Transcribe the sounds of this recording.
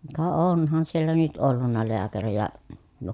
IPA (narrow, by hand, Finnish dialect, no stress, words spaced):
kɑ onˑhɑn sielːæ nyt olːunːɑ leækærijæ jo